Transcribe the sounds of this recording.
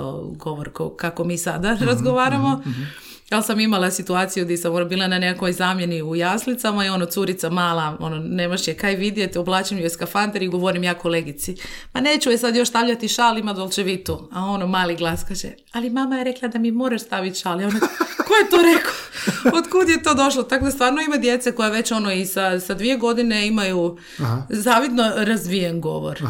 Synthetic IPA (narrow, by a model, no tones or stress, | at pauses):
o̰ɡoʋoɾkokakomiːsad̪aɾazɡoʋaːɾamo̞ | alsamimalasit̪uaːt̪sijud̪esamonobiːlˠananekakojzaːmje̞niujaːslit̪samaio̞not̪suɾit̪samaːlˠao̞nonemoʃjekajʋid̪jet̪oblˠaːt͡ʃimjueskafant̪eɾiɡo̞ʋo̞ɾimjaːko̞leɡit̪simaneːt͡ʃuesad̪jo̞ʃst̪aːʋʎat̪iʃalimad̪olˠt͡ʃeʋit̪uao̞nomaːliɡlˠaskat͡ʃḛ | alimamajeɾeklˠad̪amimo̞ːɾaʃst̪aːʋit̪ʃaljonokojet̪oɾeko̥ot̪kud̪jet̪o̞ːd̪o̞ʃlot̪akod̪ast̪ʋaːɾnoimad̪je̞t̪seko̞jaʋe̞t͡ɕo̞noisasad̪ʋie̞ɡo̞d̪ine̞imaju | zaːʋid̪no̞ɾazʋijenɡo̞̰ʋo̰ɾ